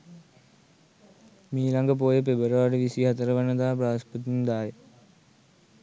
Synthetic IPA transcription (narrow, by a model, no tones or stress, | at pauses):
miːlɐŋɡɐp̬oːjepebɐɾʋaːɖeʋisiɦɐt̪ɐɾɐʋɐnɐd̪aːp̬ɾaːspɐt̪ind̪aːje